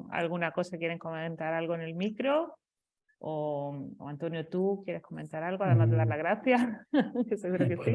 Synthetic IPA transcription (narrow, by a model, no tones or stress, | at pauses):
a̰lɣunako̞sakje̞ɾe̞ŋko̞mẽnt̪aɾalɣo̞ene̞lmikɾo̞ | ooant̪o̞njot̪ukje̞ɾe̞sko̞mẽnt̪aɾalɣoaðemazðeðaɾlaɣ̞ɾaθjakeseɣuɾoke